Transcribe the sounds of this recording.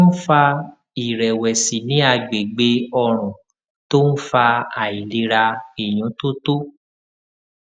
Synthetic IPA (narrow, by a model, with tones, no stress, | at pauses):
n̩˦fa˧ | i˨ɾɛ˨wɛ˨si˨nĩ˨˦a˧ɡ͡be˨ɡ͡be˧ɔ˧ɾ̃ɔ̃˨ | to˦n̩˦fa˧a˨i˨li˧ɾa˧e˨j̃ũ˨˦to˦to˦